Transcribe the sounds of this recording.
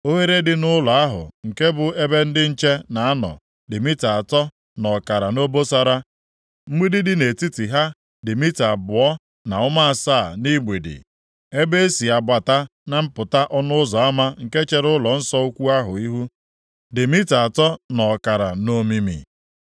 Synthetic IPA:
o˦ɦe˦ɾe˦dɪ˨nʊ˦lɔ˨a˦ɦʊ̰˨ŋ̩˨ke˦bʊ˨e˦be˦n̩˦dɪ˦n̩˦t͡ʃe˦na˨a˦nɔ̰˨ | dɪ˨mi˦ta˨a˨tɔ˦ | nɔ˨ka˨ɾa˨no˦bo˦sa˦ɾa˦ | m̩˦ɡ͡bi˦dɪ˦dɪ˦ne˨ti˦ti˨ɦa˦ | dɪ˨mi˦ta˨bʊ˨ɔ˦ | na˨ʊ˦ma˦a˨saː˦˨ni˦ɡ͡be˨dɪ̰˨ | e˦be˦e˦si˨a˨ba˨ta˦na˨m̩˦pʊ˨ta˦ʔɔ˦nʊ˦ʊ˦zɔ˨a˦ma˦ŋ̩˨ke˦t͡ʃe˨ɾʊ˦lɔ˨n̩˦sɔ˦u˦kʷu˦a˦ɦʊ˨i˦ɦu˦ | dɪ˨mi˦ta˨tɔ˦nɔ˨ka˨ɾa̰˨no˦mi˦mḭ˨

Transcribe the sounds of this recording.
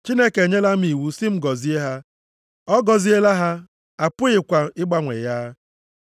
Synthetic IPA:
t͡ʃi˦ne˦ke˨ɲe˦la˦m̩˦i˨wu˨sɪ˦m̩˦ɡɔ˨zi˦e˦ɦa˦ | ɔ˦ɡɔ˨zi˦e˦la˦ɦa˦ | a˨pʊ˦ɪ˨kʷa˨ɪ˦ɡ͡ba˦ŋʷḛ˨ja˦

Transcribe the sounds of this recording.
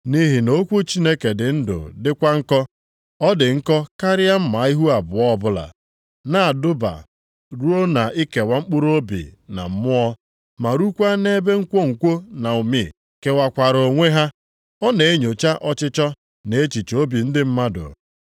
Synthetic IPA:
ni˦ɦi˨no˦kʷo˦t͡ʃi˦ne˦ke˨dɪ˨n̩˦dʊ̰˨dɪ˦kʷa˦ŋ̩˦kɔ˦ | ɔ˦dɪ˨ŋ̩˦kɔ˦ka˦ɾɪ˦a˦m̩˦ma˨˦i˦ɦu˦a˨bʊ˨ɔ˦˨bʊ˦la̰˨ | na˨a˨dʊ˦ba̰˨ | ɾu˦o˦na˨ʔi˦ke˨wa˦ŋ͡m̩˦k͡pʊ˦ɾo˦bḭ˨na̰˨m̩˦mʊ˦ɔ˦ | ma˨ɾu˦kʷa˦ne˦be˦ŋ̩˦kʷo˦ŋ̩˨kʷo˦na˨u˨mi˨ | ke˨wa˨kʷa˨ɾo˨ŋʷe˦ɦa˦ | ɔ˦ne˨e˦ɲo˨t͡ʃa˦ʔɔ˦t͡ʃɪ˦t͡ʃɔ˦ | ne˨˦t͡ʃi˨t͡ʃo˦bi˨n̩˦dɪ˦m̩˦ma˦dʊ̰˨

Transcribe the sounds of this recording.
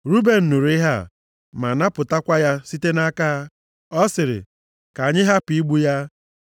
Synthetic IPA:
ɾu˦be˨n̩˨nu˨ɾɪ˦ɦa˦˨ | ma˨na˦pʊ˨ta˦kʷa˦ja˦si˦te˦na˦kaː˦ | ɔ˦sɪ˨ɾɪ̰˨ | ka˨ɲɪ˦ɦa˦pi˨i˦ɡ͡bu˦ja˦

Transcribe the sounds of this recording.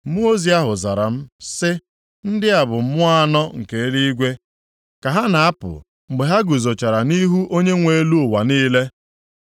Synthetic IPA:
mu˦o˦zi˨a˦ɦʊ˨za˨ɾa̰˨m̩˦sɪ˦ | n̩˦dɪ˦a˨bʊ˨m̩˦mʊ˦a˦nɔ˦ŋ̩˨ke˨˦ɾi˦i˦ɡʷe˦ | ka˨ɦa˦na˨a˦pʊ̰˨ | ŋ͡m̩˨ɡ͡be˨ɦa˦ɡu˨zo˨t͡ʃa˨ɾa˨ni˦ɦu˦ʔo˦ɲe˦ŋʷe˨e˦lu˦ʊ˨wa˨niː˦le˦

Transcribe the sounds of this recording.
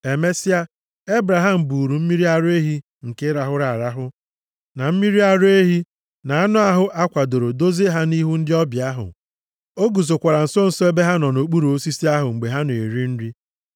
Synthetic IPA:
e˨me˦si˦a˦ | e˦bɾa˨ɦa˦m̩˨bu˨ɾu˨m̩˦mi˦ɾi˦a˦ɾʊ˦e˦ɦi˦ | ŋ̩˨ke˦ɾa˨ɦʊ˦ɾa˨ɾa˦ɦʊ˦ | na˨m̩˦mi˦ɾi˦a˦ɾe˦ɦi˦ | na˨a˦nʊ˦a˦ɦʊ˦ʔa˦kʷa˨do˨ɾo˨do˦ze˦ɦa˦ni˦ɦu˦n̩˦dɪ˦ɔ˦bja˦ɦʊ̰˨ | o˦ɡu˨zo˨kʷa˨ɾa˨n̩˨so˦n̩˨so˦e˦be˦ɦa˦nɔ˨no˨k͡pu˦ɾu˨o˦si˦si˦a˦ɦʊ˨ŋ͡m̩˨ɡ͡be˨ɦa˦n˨ḛ˨ɾi˦n̩˦ɾi˦

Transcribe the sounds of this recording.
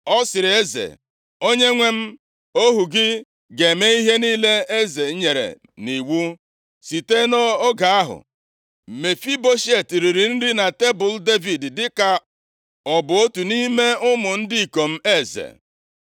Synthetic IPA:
ɔ˦sɪ˨ɾɪ˨e˦zḛ˨ | o˦ɲe˦ŋʷe˦m̩˦ | o˦ɦu˨ɡɪ˦ | ɡe˨me˦i˦ɦe˦niː˦le˦e˦ze˨˦ɲe˨ɾḛ˨ | ni˨wu˦ | si˨te˦no˦o˦ɡa˨a˦ɦʊ̰˨ | me˨fi˦bo˦ʃe˨ti˨ɾi˨ɾi˨n̩˦dɪ˦na˨te˦bʊ˨lde˦vi˨ddɪ˦ka˨ | ɔ˨bʊ˨o˦tu˨ni˦me˦ʊ˦mʊ˨n̩˦dɪ˦i˨ko˨m̩˦e˦˨zḛ˨

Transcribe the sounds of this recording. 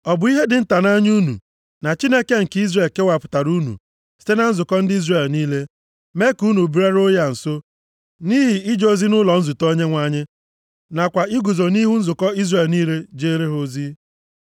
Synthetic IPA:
ɔ˨bʊ˨˦i˦ɦe˦dɪ˨n̩˦ta˨na˦ɲ˦u˦nṵ˨ | na˨t͡ʃi˦ne˦ke˦ŋ̩˨ki˦zɾe˨lke˦wa˨pʊ̥˨ta˨ɾu˦nṵ˨ | si̥˦te˦na˨˦n̩˦zʊ˨kɔ˦n̩˦dɪ˦i˦zre˨lniː˦le˦ | me˦ku˦nu˨bi˦ɾa˦ɾo˦ja˦˨n̩˨so˦ | ni˦ɦi˨ɪ˦d͡ʒo˦zi˦nʊ˦lɔ˨n̩˦zu˨to˦ɲe˦ŋʷa˦ɲɪ˦ | na˨kʷa˨ɪ˦ɡu˨zo˨ni˦ɦu˦n̩˦zʊ˨kɔ˦i˦zre˨lniː˦ɾe˦d͡ʒe˦ɾe˦ɦo˦zi˦

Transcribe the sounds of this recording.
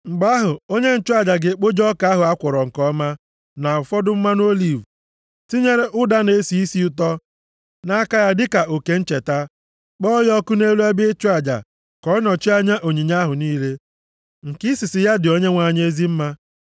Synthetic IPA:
ŋ͡m̩˨ɡ͡ba˦ɦʊ˨o˦ɲe˦n̩˨t͡ʃʊ˦a˨d͡ʒa˨ɡɪ˨k͡po˦d͡ʒɔ˦ka˨˦a˦ɦʊ˨a˦kʷɔ˨ɾɔ˨ŋ̩˨kɔ˦ma˦ | na˨ʊ˨fɔ˦dʊ˦m̩˦ma˦n˦o˦li˨v | ti˦ɲe˦ɾe˦ʔʊ˦da˦ne˦si˨i˦si˦ʊ˦t̬ɔ˦ | na˦a˦ka˦ja˦dɪ˦ka˨ʔo˨ke˨n̩˦t͡ʃe˨ta˦ | k͡pɔ˦jɔ˦kʊ˦ne˦lu˦a˦bi˦e˦t͡ʃʊ˦a˨d͡ʒa̰˨ | kɔ˦nɔ˨t͡ʃi˦a˦ɲa˦ʔo˨ɲi˨ɲa˦ɦʊ˨niː˦le˦ | ŋ̩˨kɪ˦si˨sɪ˨ja˦dɪ˨o˦ɲe˦ŋʷa˨ɲ˦e˦zi˦m̩˦ma˦

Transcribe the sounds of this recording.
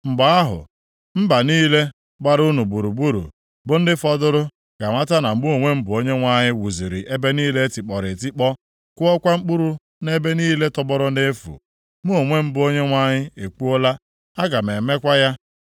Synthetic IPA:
ŋ͡m̩˨ɡ͡ba˨a˦ɦʊ̰˨ | m̩˦ba˨niː˦le˦ | ɡ͡ba˨ɾu˦nu˨bu˨ɾu˨bu˦ɾṵ˨ | bʊ˨˦n̩˦dɪ˦fɔ˦dʊ˦ɾʊ˦ | ɡ̥a˨ŋʷa˦ta˦na˨˦mu˦o˨ŋʷe˦m̩˦bʊ˨o˦ɲe˦ŋʷa˦ɲɪ˦wu˨zi˨ɾɪ˨ʔe˦be˦niː˦le˦tɪ˨k͡pɔ˨ɾɪ˨ti˦k͡pɔ˦ | kʊ˦ɔ˦kʷa˦ŋ͡m̩˦k͡pu˦ɾu˦ | ne˦be˦niː˦le˦tɔ˦bɔ˦ɾʊ˦n̩˦dɪ˦e˦fṵ˨ | mu˦o˨ŋʷe˦m̩˦bʊ˦o˦ɲe˦ŋʷa˦ɲɪ˦e˨k͡pu˦o˦la˦ | a˦ɡa˨m˨e˨me˦kʷa˦ja˦

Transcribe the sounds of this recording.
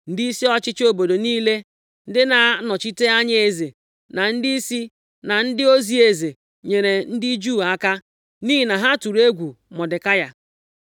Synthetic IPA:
n̩˦di˦i˦si˦ɔ˦t͡ʃɪ˦t͡ʃo˦bo˨do˨niː˦le˦ | n̩˦dɪ˦na˨˦nɔ˨t͡ʃi˦te˦a˦ɲ˦e˨ze˨ | na˨n̩˦di˦i˦si˦ | na˨n̩˦dɪ˦o˦zi˦e˨ze˨ | ɲe˨ɾe˨n̩˦dɪ˦d͡ʒu˦˨a˦ka˦ | niː˦i˨na˨ɦa˦tu˨ɾe˦ɡʷu˨mɔ˨dɪ˨ka˦ja˦

